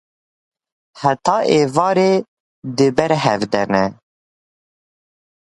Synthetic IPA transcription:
hæt̪ɑːʔeːvɑːɾeː | d̪ɨbɛɾɦɛvd̪ɛnɛ

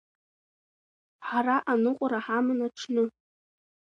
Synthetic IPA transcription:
ħaraʔanɨqʷʼaɾaħamɨnaʈ͡ʂʰnɨ

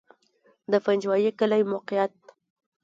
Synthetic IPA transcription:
d̪əfand͡ʒwɑjekəlajmoqɪjat̪̚

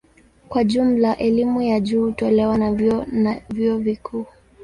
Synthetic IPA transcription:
kwaʄum̩laʔɛlimujaʄuːtɔlɛwana | viɔvikʰuː

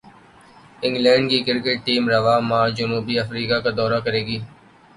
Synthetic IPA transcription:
ɪ̃ŋɡlɛ̃ːɳɖkikɪɾkeʈ̚ʈiːmɾəʋaːmãːd͡ʒənuːbiəfɾiːkakad̪ɔːɾakəɾeːɡiː

